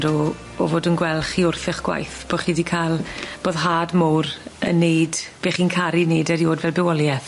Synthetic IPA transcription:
dɔ̰ː | voːdənɡwɛlˠχiʊrθɪχɡ̥wa̰jθb̥oχiːdikʰalˠb̥oːðɦaːdmʊwrə̰nːejdb̥eːχiːnkʰaɾineːdɛɾioːdvɛlˠbɛwɔlˠjɛθ

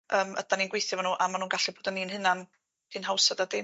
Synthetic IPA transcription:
əːmə̰d̥aninɡwejθjavanuːʔamanuːnɡaɬiboːdəniːnhɨnan | d̥ʰinhawsadadɪ

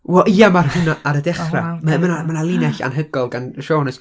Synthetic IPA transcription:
wɛlʔiːamarhʊnaʔaɾədɛχramɛmənamanalˠɪnɛɬa̰nɦəɡɔlˠɡanʃoːnɔs

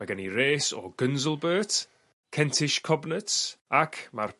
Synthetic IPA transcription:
maɡəniɾeːsɔ̰ɡənzəlˠbəːt | kʰɛntʰɪʃkʰɔbnətsakʰmar

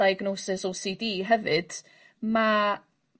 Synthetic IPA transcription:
ajɡnosɪsɔsidiːɦɛvɨd̥ | ma

